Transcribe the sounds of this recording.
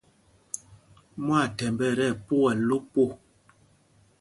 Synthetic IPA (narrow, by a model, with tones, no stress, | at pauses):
mwa˦˨tɛ˨mbɛ˦˨ɾɛ˦˨po˦ɛ˨lo˦po˦˨